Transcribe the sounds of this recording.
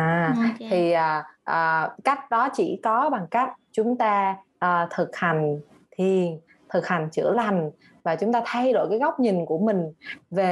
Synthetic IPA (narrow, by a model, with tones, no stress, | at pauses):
ʔaː˨˩t̪ʰi˨˩ʔəː˨˩ʔəː˨˩ka˦˥jk̟̚ɗɔ˨˦t͡ɕḭ˧˩kɔ˨˦ɓa˨˩ŋka˦˥k̟̚t͡ɕʊ˨˦ŋ͡mt̪aː˧ʔəː˨˩t̪ʰɨ˨˩k̚ha˨˩jŋ̟ | t̪ʰi˨˩ən | t̪ʰɨ˨˩k̚ha˨˩jŋ̟t͡ɕɨ̰˧˩əla˨˩jŋ̟ | vaː˨˩t͡ɕʊ˨˦ŋ͡mt̪aː˧t̪ʰa˧jɗo̰˧˨jkaː˨˦jɣa˦˥wk͡p̚ɲi˨˩ŋku˧˩əmï˨˩ŋ̟ve˨˩